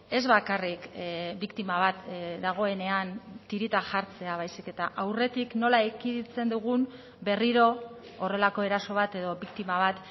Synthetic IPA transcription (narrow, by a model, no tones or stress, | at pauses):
e̞zβakarikbikt̪imaβat̪d̪aɣ̞o̞e̞ne̞ant̪iɾit̪aʝaɾt͡se̞aβajsike̞t̪aʔawre̞t̪ikno̞laekiðit͡se̞nd̪uɣ̞um | be̞riɾo̞ː | re̞lako̞e̞ɾaso̞β̞at̪e̞ðo̞βikt̪imaβ̞at̪